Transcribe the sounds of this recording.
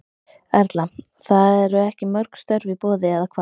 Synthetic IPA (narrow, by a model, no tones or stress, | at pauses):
ɛɾt̪la | θaðɛɾʏɛhcɪmœɾkst̪œɾvipɔːðɪɛðakʰva